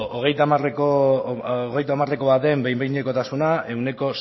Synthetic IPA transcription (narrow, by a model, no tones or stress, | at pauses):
oɣ̞e̞jt̪amareko | oɣe̞jt̪amare̞ko̞βat̪e̞mbejmbejɲeko̞t̪asunae̞wne̞ko̞